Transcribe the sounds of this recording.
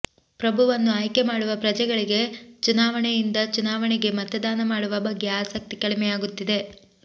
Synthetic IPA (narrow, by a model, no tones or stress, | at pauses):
pɾɐbʱuʋɐnːuaːjkemaːɽuʋɐpɾɐd͡ʒɛɡɐɭiɡe̞t͡ʃunaːʋɐɳejind̪ɐt͡ʃunaːʋɐɳɛɡe̞mɐt̪ɐd̪aːnɐmaːɽuʋɐbɐɡːeaːsɐk̚t̪ikɐɭimɛjaːɡut̪ːid̪e̞